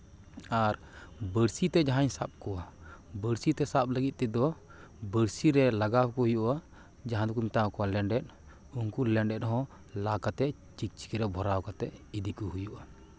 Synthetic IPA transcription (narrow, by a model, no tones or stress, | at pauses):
aɾ | bəɾsit̪ɛd͡ʒaɦaɲsap̚kɔwabəɾsit̪ɛsap̚ləɡit̪̚t̪ɛd̪ɔ | bəɾsiɾɛlaɡawkɔhujuʔa | d͡ʒaɦãd̪ɔk̬umt̪akɔwalɛɳɖɛt̚ | unkulɛɳɖɛt̪̚ɦɔ̃ | lakat̪ɛ | t͡ʃik̚t͡ʃi̥kɛɾɛbʱɔɾawkat̪ɛʔid̪ikɔhujuʔa